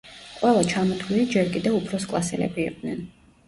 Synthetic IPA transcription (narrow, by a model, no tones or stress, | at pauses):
qʼwɛlˠat͡ʃʰamɔt̪ʰuliid͡ʒɛɾkʼid̪ɛvupʰɾɔskʼlˠasɛlɛ̰bḭːqʼd̪̥nɛn